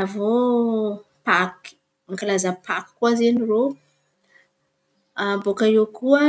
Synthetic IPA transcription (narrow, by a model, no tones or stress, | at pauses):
avo | pak | iŋkalazəpaki̥kuazeniro | abokaewkuə